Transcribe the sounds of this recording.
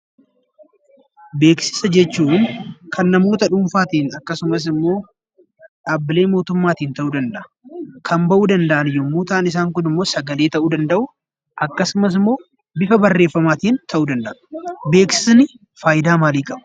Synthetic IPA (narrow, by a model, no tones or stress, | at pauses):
be̞ːksɪ̥sɐd͡ʒɛt͡ʃːuːŋkʰɐnːɐmo̞ːt̪ɐᶑʊmfaːt̪iːnɐkːɐsʊmɐs̬ɪmːo̞ː | ᶑaːbːɪleːmo̞ːt̪ʊmːaːt̪iːnt̪ɐʔuːd̪ɐnd̪ɐʔɐ̥ | kʰɐmbɐʔuːd̪ɐnd̪ɐʔɐnɪjɔmːuːt̪aːnɪs̬aːŋkʊnɪmːo̞ːsɐɡɐleːt̪ɐʔuːd̪ɐnd̪ɐʔʊ | ʔɐkːɐsʊmɐs̬ɪmːo̞ː | bɪfɐbɐrːeːfːɐmaːt̪iːnt̪ʰɐʔuːd̪ɐnd̪ɐʔʊ̥be̞ːksɪ̥snɪ | faːjɪd̪aːmaːliːkʼɐb